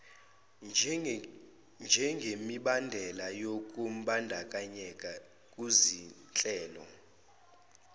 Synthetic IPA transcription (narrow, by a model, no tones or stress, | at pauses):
nd͡ʒʱɛŋɡʱemiɓandʱɛlajokʼum̩ɓandʱakʼaɲɛkʼa | kʼuzi | t͡ɬʼɛːlɔ̰